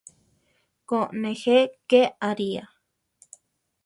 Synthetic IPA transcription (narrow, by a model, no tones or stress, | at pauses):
koʔnẽxekeaɾia